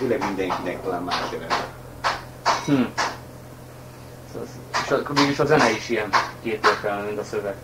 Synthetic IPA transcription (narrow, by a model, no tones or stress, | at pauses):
t̪eːlɛɡmind̪ɛŋkinɛk̚t̪ɒlaːmma̰ːʃɛvɛ̰nbɛ̰ | hm̩ | sɒz | eʃɒmeːɡiʃɒzɛnɛiʃijɛnkeːt̪eːrkɛlnɛmint̪ɒsøvɛɡ̥